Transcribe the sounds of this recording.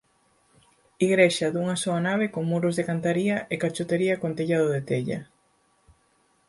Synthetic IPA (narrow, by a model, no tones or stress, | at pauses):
iɣɾeʃaðuŋasoanaβ̞ekoŋmuɾʊzðekant̪aɾiɐʔekat͡ʃot̪eɾiɐkont̪eʎaðoðet̪eʎɐ̰